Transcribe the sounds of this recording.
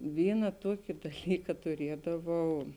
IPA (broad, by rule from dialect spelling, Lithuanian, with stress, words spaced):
ˈʋʲiːnɐ ˈtuɔkʲɪ dɐˈlʲiːkɐ tʊˈrʲiɛdɐʋɐʊ